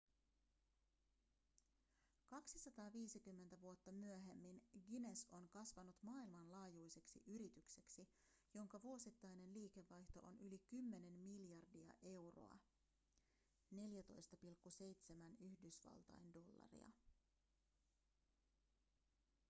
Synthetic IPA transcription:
kɑksisɑt̪ɑːʋiːsikymːent̪æʋuo̞t̪ːɑmyøɦe̞mːinɡine̞so̞nkɑsʋɑnut̪mɑːilmɑnlɑːjujse̞ksḭʔyɾit̪ykse̞ksi | jo̞ŋkɑʋuo̞sit̪ːɑjne̞nliːke̞ʋːɑjht̪o̞̰ʔo̰nʔylikymːe̞ne̞nːiljɑrdiɑ̰ʔe̞wro̰ɑ̰ | ne̞ljæt̪o̞jst̪ɑpilkːuse̞jt̪se̞mænyhdysʋɑ̰lˠt̪ɑ̰jndo̞lːɑ̰rḭɑ̰

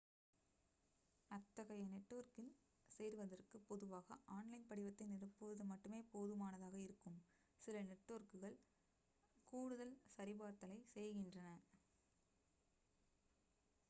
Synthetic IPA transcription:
ɐt̪ːɐɣɐjɐnɛʈːoːɾkɪl | sɛjɾʋɐðɐrkɯpːɔðɯʋaːɣɐʔaːnlɐɪnpɐɽɪʋɐt̪ːɪnɪrɯpːɯʋɐðɯmɐʈːɯmeːpoːðɯmaːnɐðaːɣɐɪɾɯkːɯm | sɪlɐnɛʈːoːɾkɯɣɐɭ | kuːɽɯðɐlsɐɾɪbaːɾt̪ɐlɐɪsɛjɣɪndrɐnɐ

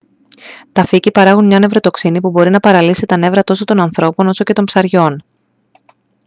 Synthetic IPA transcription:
t̪ɐficipɐɾɐɣunmɲɐne̞vɾo̞t̪o̞ksinipubo̞ɾinɐpɐɾɐlisit̪ɐne̞vɾɐt̪o̞so̞t̪o̞nɐnθɾo̞po̞no̞so̞ce̞t̪o̞mpsɐɾʝo̞n

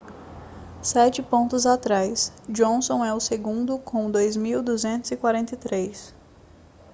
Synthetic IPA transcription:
sɛt͡ʃɪpõnt̪ʊzat̪ɾajsd͡ʒõnsõw̃ɛʊseɡũd̪ʊkʰõw̃d̪ojzmiwd̪uzẽnt̪ʊzɪkwaɾẽnt̪ejt̪ɾejs

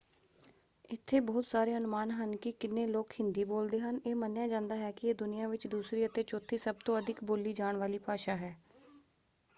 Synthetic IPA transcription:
ɪt̪ʰːeːbɔːt̪saːɾeːənʊmaːnɦənkɪkɪnẽːloːkhɪ̃nd̪iːboːld̪eːɦəneːmənjãːd͡ʒãːnd̪aːɦɛːkɪeːd̪ʊnɪjãːʋɪt͡ʃd̪uːsɾiːət̪eːt͡ʃoːt̪ʰːiːsəb̚t̪õːəd̪ʱɪkboːliːd͡ʒaːɳʋaːliːpaːʃaːɦɛː

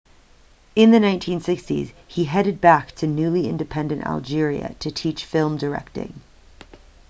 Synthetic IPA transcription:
ɨ̃nðɨnãɪ̃ntʰĩnsɪkstḭz̥iɦɛɾɨd̚bæk̚tʰɨnʉlˠiɪ̰̃ndɨpʰɛ̃ndɨ̃ntʔæ̰lˠd͡ʒɪɹiɨ̰ɾʰɨtʰit͡ʃfɪlˠmdə˞ɛ̰k̚tɪ̰̃ŋ

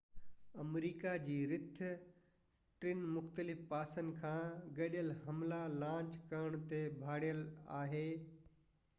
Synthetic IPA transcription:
ɐmɾiːkad͡ʑiːɾɪt̪ʰ | ʈɾɪnmʊxt̪əlɪfpaːsənkʰãːɡɐɗɪjəlɦɐmlalãːt͡ɕkɐɾəɽ̃t̪ebʱaːɽijəla̰ːɦeː

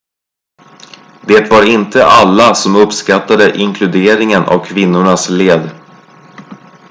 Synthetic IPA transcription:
d̪eːt̪vaɾɪnt̪əʔalːasɔmɵpskat̪ːad̪əʔɪŋkʰlɵd̪eːɾɪŋənʔa̰vkʰvɪnːʊɳasleːd̪

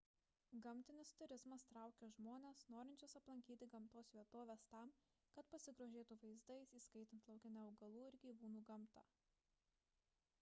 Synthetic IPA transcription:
ɡɐmʲt̪ʲɪnʲɪst̪ʊɾʲɪzmɐst̪ɾɑˑʊkʲeʒmoːnʲeːsnoːɾʲɪnʲt͡ʃʲoːsɐplˠɐŋʲkʲiːt̪ʲɪɡɐmt̪oːsʋʲiɛt̪oːʋʲeːst̪ɑˑm | kɐt̪pɐsʲɪɡɾoːʒʲeːt̪uːʋɐɪzd̪ɐɪsiːskɐɪt̪ʲɪnt̪lˠɐʊkʲɪnʲɛʊɡɐlˠuːɪɾɡʲiːʋuːnuːɡɐmˑt̪ɑ̰ː

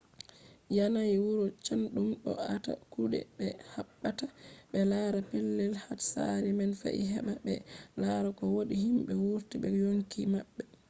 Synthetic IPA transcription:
janajiwuɾɔt͡ʃanɗumɗɔ̰ata̰kuɗɛ̰ɓɛhaɓːataɓɛlaːɾapɛlːɛlhatsa̰ɾimanfa̰ʔḭɦɛ̰ɓabɛ̰laɾakɔwoɗihimɓɛwuɾtibɛjoŋkimabːɛ

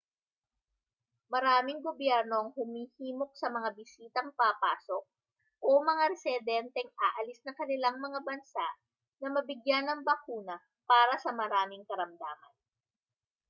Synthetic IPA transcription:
mɐɾaːmɪŋɡobjɛɾno̞ɐŋhʊmiːhiːmo̞k̚sɐmɐŋabɪsiːt̪ɐŋpapaːsok̚ | ʔomɐŋaɾɛsɪd̪ɛnt̪ɛŋʔaːʔɐlɪsnɐŋkɐnɪlaŋmɐŋabɐnsaʔ | nɐmɐbɪɡjanɐŋbɐkuːnɐ | paːɾɐsɐmɐɾaːmɪŋkɐɾɐmd̪aːmɐ̰n

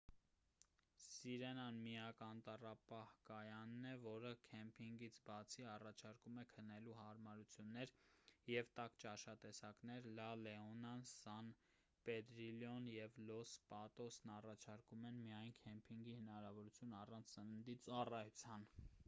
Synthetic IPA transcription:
siɾɛnɑnmijɑkɑnt̪ɑrɑpɑhkɑjɑnːɛvɔɾəkʰɛmpʰiŋɡit͡sʰbɑt͡sʰiɑrɑt͡ʃʰɑɾkumɛkʰənɛluhɑɾmɑɾut͡sʰjunːɛɾjɛvt̪ɑkt͡ʃɑʃɑt̪ɛsɑknɛɾlɑlɛɔnɑnsɑn | pɛd̪ɾiljɔnjɛvlɔspɑt̪ɔsnɑrɑt͡ʃʰɑɾkumɛnmijɑjnkʰɛmpʰiŋɡihənɑɾɑvɔɾut͡sʰjunɑrɑnt͡sʰsənənd̪it͡sɑrɑjut͡sʰjɑn

